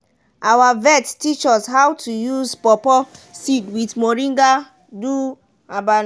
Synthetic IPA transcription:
awavɛttit͡ʃɔshawtʰujuzpɔpɔsidwitmoɹĩŋɡa | du | aban

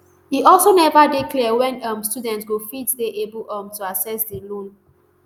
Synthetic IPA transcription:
hiʔɔlsonɛvadeklɛəwɛ̃nʌ̃mstudɛ̃ntsɡofiddeʔebəlʔʌ̃mtuasɛsdilõn

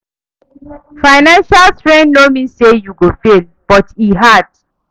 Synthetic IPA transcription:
faɪnãnʃaltɹɛ̃nnomĩsejuɡofel | b̥ɔtiɦad

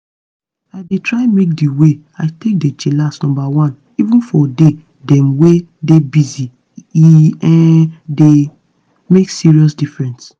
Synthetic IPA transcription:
aɪdetʰɹaɪmek̚diwe | aɪtek̚det͡ʃelastnɔ̃mbawãn | ivũnfɔde | dɛ̃mwedebizi | iɛ̃de | meksiɹiɔsdifɹɛ̃nts

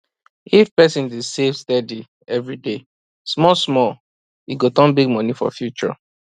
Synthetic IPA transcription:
ifpɛsĩndisevstɛdi | ɛvɹide | smɔsmɔ | iɡotɔ̃nbiɡ̚mɔnifɔ̰fjut͡ʃɔ̰

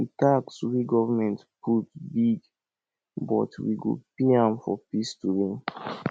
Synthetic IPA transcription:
itakswiɡɔvəmɛ̃ntpʰutbiɡ | bɔ̰twḭɡo̰piãmfɔpistuɹĩn

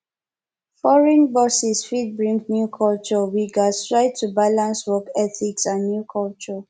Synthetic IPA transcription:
fɔɹɛ̃nbɔsisfid̚bɹĩŋnjukʰɔlt͡ʃɔwiɡastɹaɪd̚tubalãnswɔkɛθiksãnːjukʰɔlt͡ʃɔ

